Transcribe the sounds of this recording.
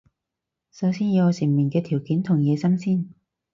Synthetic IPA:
sɐ˨˧˥wsiː˥nji˨˧ɔ˨˧si˨˩nmiː˨˩nkɛː˧t̪ʰiː˨˩wkiː˨˥nt̪ʰʊ˨˩ŋjɛː˨˧sɐ˥msiː˥n

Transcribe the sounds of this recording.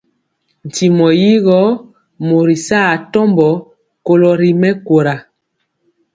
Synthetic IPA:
n̩˨ti˨mɔ˨ji˦ɣɔ˦ | mo˨ɾi˨sa˦˨tɔ˦mbɔ˨˦ | ko˨lɔ˨ɾi˨mɛ˦ko˨ɾa˨

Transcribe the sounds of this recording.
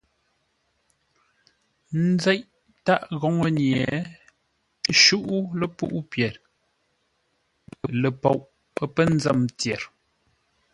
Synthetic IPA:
n̩˦zɛ˦ʔ | ta˦ʔɣɔ˨˦ŋə˦˨ɲjɛ˨ | ʃu˦ʔu˦lə˦pṵ˦ʔu˦pjɛ˨ɾ | ə˨lə˨pɔ˦˨ʔ | ə˦pə˦n̩˦d͡zə˦˨mtjɛ˨ɾ

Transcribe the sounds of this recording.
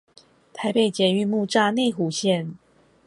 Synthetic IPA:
t̪ʰa˧˥ɪpe˥˩ɪt͡ɕjɛ˧˥y˧mu˥˧ʈ͡ʂa˥˧ne˥˩ɪxu˨˥ɕjɛ˥˨n

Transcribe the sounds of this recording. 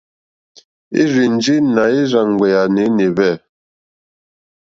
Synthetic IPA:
ḭ˦ɾi˨n̩˦d͡ʒi˦na˨i˦ɾa˨ŋ˨ɡɛ˨ja˨ne˨˦ne˨bɛ˦˨

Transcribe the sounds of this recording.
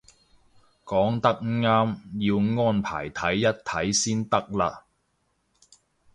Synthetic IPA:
kɔː˨˥ŋt̪ɐ˥k̚ŋ̩˥ŋaː˥mjiː˧wŋɔː˥npʰa̰ː˨˩jt̪ʰɐ˨˥jːɐ˥t̚t̪ʰɐ˨˥jsiː˥nt̪ɐ˥k̚laː˧

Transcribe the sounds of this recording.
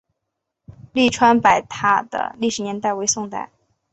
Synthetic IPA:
li˥˩ʈ͡ʂʰwa˥npa˨˩ɪt̪ʰa˥d̪ə̰˧li˥˩ʂɻ̩˨˩njɛ˧˥nt̪a˥˩ɪwe˥ɪsʊ˥˧ŋt̪a̰˥˩ɪ

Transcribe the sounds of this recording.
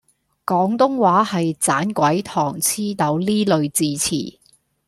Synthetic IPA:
kɔː˨˥ŋt̪ʊ˥ŋwaː˨˥hɐ˨jt͡saː˨˥nkʷɐ˨˥jt̪ʰɔː˨˩ŋt͡sʰiː˥t̪ɐ˨˥wliː˥lɵ˨˧ɥt͡siː˧t͡sʰḭː˨˩

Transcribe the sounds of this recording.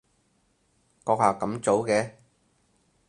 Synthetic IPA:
kɔː˧k̚haː˨˩kɐ˨˥mt͡so˨˥wkɛː˧

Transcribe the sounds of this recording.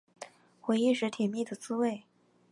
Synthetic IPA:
xwe˧˥ɪi˥˧ʂɻ̩˧˥t̪ʰɛ˨˩nmi˥˩d̪ə˩t͡sɹ̩˥we˥˩ɪ

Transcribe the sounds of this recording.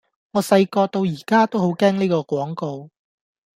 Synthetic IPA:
ŋɔː˨˧sɐ˧jkɔː˧t̪o˧wjiː˨˩kaː˥t̪o˥who˨˥wkɛː˥ŋniː˥kɔː˧kʷɔː˨˥ŋko˧w

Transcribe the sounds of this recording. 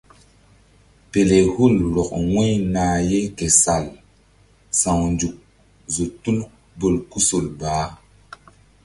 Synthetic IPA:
pe˨le˨hu˦˨llɔ˨k̚wwɛ˦jnaː˨je˦ke˨sa˨l | sã˨wnd͡ʒu˨k̚ | zo˨tu˦n | bo˨lku˦so˨lbaː˨˦

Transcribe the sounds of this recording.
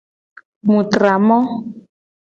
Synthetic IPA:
mu˨tra˨mɔ˦

